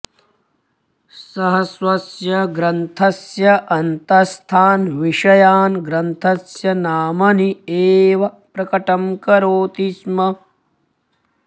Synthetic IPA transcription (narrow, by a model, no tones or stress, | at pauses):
sɐɦɐsʋɐsjɐɡɾɐnt̪ʰɐsjɐʔɐnt̪ɐst̪ʰaːnʋiʂɐjaːnɡɾɐnt̪ʰɐsjɐnaːmɐnieːʋɐ | pɾɐkɐʈɐmkɐɾoːt̪ismɐ